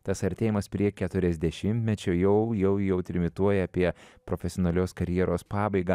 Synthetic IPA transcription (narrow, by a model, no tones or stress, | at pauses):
t̪ɐsɐɾʲt̪ʲeːjɪmɐspʲɾʲiɛkʲɛt̪ʊɾʲɛzʲd̪ʲɛʃʲɪmʲt̪ʲmʲɛt͡ʃʲojɛʊjɛʊjɛʊt̪ʲɾʲɪmʲɪt̪uɔjɛɐpʲiɛpɾofʲɛsʲɪoːnɐlʲoːskɐɾʲjɛɾoːspɑːbɐɪɡɑː